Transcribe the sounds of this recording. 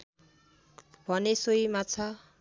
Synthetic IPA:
bʱʌnesoimat͡sʰʌ

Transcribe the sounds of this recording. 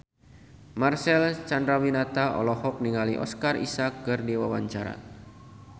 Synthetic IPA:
marsɛlt͡ʃandɾawinat̪aʔɔ̰lɔhɔk̚niŋaliʔɔ̰skarḭsakːɨrdiwawaɲt͡ʃaɾa̰

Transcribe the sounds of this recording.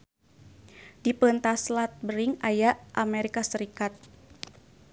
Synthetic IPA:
dipənt̪aslat̪̚bəɾiŋajaʔʔamɛɾikasəɾikat̪̚

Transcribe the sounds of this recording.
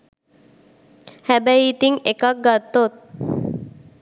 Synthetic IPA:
hæbæiːt̪iŋekak̚ɡat̪ːot̪̚

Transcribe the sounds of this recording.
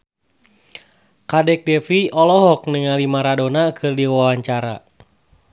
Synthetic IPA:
kadɛk̚dɛfiɔlɔɦɔk̚nəŋalimaɾadonakʰɨrdiwawaɲt͡ʃaɾa̰

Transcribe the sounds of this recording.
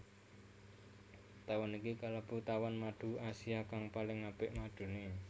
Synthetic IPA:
t̪awanikikalab̥ut̪awanmaɖ̥ṳasiakaŋpalɪŋːab̥ɪʔmaɖ̥ṳne

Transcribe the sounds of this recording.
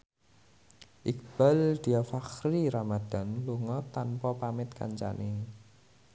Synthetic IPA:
ʔikb̥ald̪̥iafaxɾiɾamad̪̥a̤nluŋɔt̪anpɔpamɪt̪ka̰ɲt͡ʃa̰ne

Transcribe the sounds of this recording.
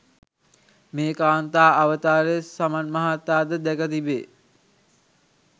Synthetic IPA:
meːkaːnt̪aːaʋət̪aːɾəsamanmaɦat̪ːaːd̪əd̪ɛkət̪ibeː

